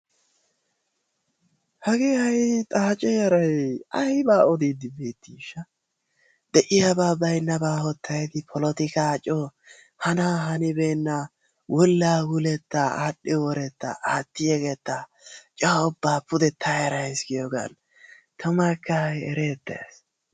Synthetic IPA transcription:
hɐɡeːɐjt̪ʼaːt͡ʃʼɛjɐɾɐjɐhbaːɔd̪iːd̪ɪbeːt̪ːiʃːɐ | d̪̥ɛʔɪjabaːbɐjnːɐbaːhɔt̪ʰːɐjd̪ɪpʰɔlɔt̪ɪkaːt͡ʃʼɔ | hɐnaːɦɐnɪbeːnːɐ | wʔɔlːaːwʊlɛt̪ːaaːɗːɛwɔɾɛt̪ːa̰ʔaːt̪ːɪjɛɡet̪ːa | t͡ʃʼaːʊbːaːpʊd̪ɛt̪ʰːajɐɾɐjɪsɡɪjɔɡɐ̰n | t̪ʰɐmɐkːɐɛɾeːt̪ːɐ̰s

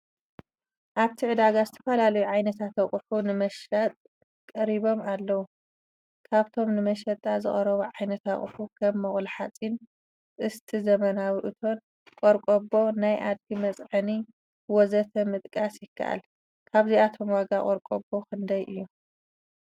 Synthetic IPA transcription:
ʔaβt̪ʰiʕɨd̪aɡazɨt̪ʰɐfɐlalɐjuʕajnɐt̪ʰat̪ɐχʼħunɨmɐʃlat̪ʼ | kʼɐɾiβo̞malːɐwu | kʰaβt̪ʰo̞mnɨmɐʃɐt̪ʼːazɨ̰χʼɐɾɐβuʕajnɐt̪ɐχʼħukʰɐmːɐχʼlħat͡sʼin | ʔɨst̪ʰizɐmɐnawiʔɨt̪ʰo̞n | kʼoɾkʼobo̞najʔad̪̚ɡimɐt͡sʼʕɨni | wɔzɐt̪ʰɐmɨt̪ʼkʼasjɪkʰːa̰ʔa̰l | kʰaβziat̪ʰo̞mwaɡakʼoɾkʼo̰bo̞kʰɨnd̪ɐjʔɨjːu

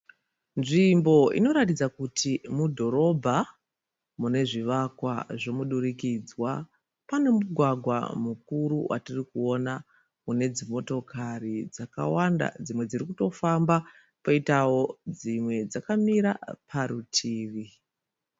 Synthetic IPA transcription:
nʐimbo̞ḭno̞ɾatid͡zakutimudʱo̞ɾo̞bʱa | mune̞ʐiʋakwaʐo̞muɗuɾikid͡zwa | pane̞muɡʱwaɡʱwa̰muk̚uɾuwʔa̰tirikuo̞na | une̞d͡zimo̞to̞kʰarid͡zaka̰wanda̰d͡zimwe̞d͡zirikuto̞famba | poitawo̞d͡zimwe̞d͡zakamiɾa̰pʰaɾutʰiːʋi

